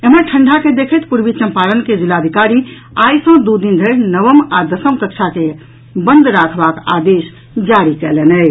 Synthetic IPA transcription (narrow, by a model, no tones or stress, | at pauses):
emənʈʰəɳɖʱaked̪ekʰəjt̪puɾbit͡ʃəmpalənked͡ʒilad̪ʱikaɾi | ajsə̃d̪ud̪ind̪ʱəɾnəβəmad̪əsəmkəkt͡ʃʰake | bənd̪ɾakʰbaka̰d̪es | d͡ʒaɾikɛlenɛj